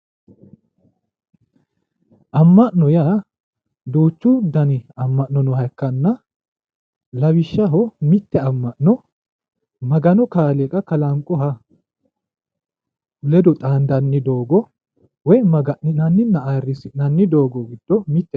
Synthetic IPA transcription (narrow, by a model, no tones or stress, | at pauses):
ʔɐmːɐʔnɔjaː | d̪uːt͡ʃːʊd̪ɐnɪɐmːɐʔnːɔnɔhɐkːɐnːɐ | lɐβɪʃːɐɦɔmɪt̪ːɛɐmːɐʔnɔ | mɐɡɐnɔkaːlekʼɐkɐlɐŋkʼːɔɦɐ | lɛd̪ɔt̪ʼaːnd̪ɐnːɪd̪o̞ːɡɔ | wɔjmɐɡɐʔɪnɐnːɪnːɐaːrːɪsɪnɐnːɪd̪oːɡɔɡɪd̪̥ːɔmɪt̪ːɛ